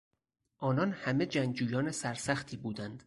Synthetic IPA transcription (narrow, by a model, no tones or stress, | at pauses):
ʔɒːnɒːnhæme̞d͡ʒæŋɡd͡ʒuːjɒːnesæɾsæxt̪ʰiːbuːd̪ænd̪̥